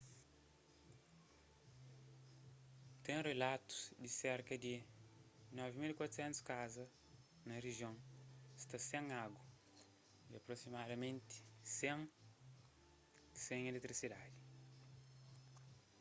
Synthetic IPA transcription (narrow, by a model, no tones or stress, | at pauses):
t̪ẽrelat̪u̥sd̪iseɾkɐd̪i | nɔvimilikwat̪u̥sẽnt̪u̥skazɐ | nɐreʒiõŋst̪ɐsẽŋaɡwɐ | iɐpɾosimad̪ɐmẽnt̪ɪ̥sẽŋ | sẽŋelet̪ɾisid̪ad̪i